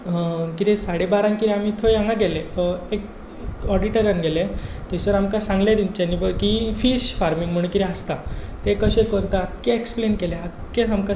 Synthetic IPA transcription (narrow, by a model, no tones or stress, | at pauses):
kiɾesaɽebaɾãnkit̪ɾiamit̪ʰojãŋɡaɡɛleek̚ | ɔɖiʈeɾjənɡʱɛlet̪esəɾamkasãŋɡled̪int͡ɕenibəkifiɕfaɾmiŋɡm̤əɳ̃kiɾeast̪at̪ekəɕẽkəɾt̪akːeeksplenkeleakːẽamka